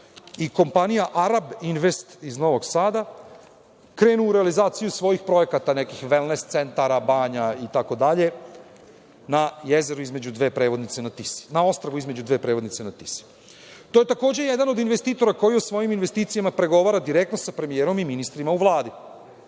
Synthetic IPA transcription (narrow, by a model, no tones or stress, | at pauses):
iko̞mpanijaʔaɾabinʋe̞st̪izno̞ʋo̞ɡsaːd̪a | kɾe̞ːnuuɾealizaːt̪sijusʋo̞jixpɾo̞je̞kat̪ane̞kixʋe̞lnest̪se̞nt̪aɾabaːɲait̪ako̞d̪aʎe̞ | najeze̞ɾuizme̞d͡ʑud̪ʋe̞ːpɾeʋo̞d̪nit̪se̞nat̪isi̥nao̞st̪ɾaʋuizme̞d͡ʑud̪ʋe̞ːpɾeʋod̪nit̪senat̪isi̥ | t̪oje̞t̪ako̞ːd͡ʑe̞jed̪ano̞d̪inʋe̞st̪iːt̪o̞ɾako̞jiosʋo̞jiminʋest̪iːt̪sijamapɾe̞ɡo̞ʋaːɾad̪iɾe̞kt̪no̞sapɾe̞mijeːɾo̞miminist̪ɾimauʋlˠaːd̪i